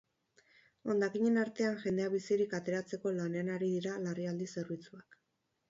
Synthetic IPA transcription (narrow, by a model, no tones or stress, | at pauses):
o̞nd̪akiɲe̞naɾt̪e̞anʝe̞nd̪e̞aβisiɾikat̪e̞ɾat͡se̞ko̞lane̞anaɾiðiɾalariald̪ise̞ɾβit͡suak